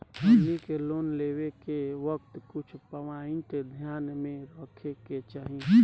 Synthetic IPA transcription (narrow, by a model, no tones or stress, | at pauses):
ɦənikeloːnleːwekeʋək̚t̪kʊt͡ʃʰpəʋaɪ̃ʈed̪ʱjaːnmẽɾəkʰeket͡ʃaːɦi